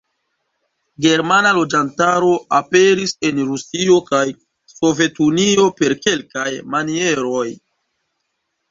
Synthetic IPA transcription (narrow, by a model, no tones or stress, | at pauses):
ɡe̞ɾmanalo̞d͡ʒantaɾo̞ape̞ɾise̞nɾusio̞kaj | so̞ve̞tunio̞pe̞ɾke̞lkajmanie̞ɾo̞j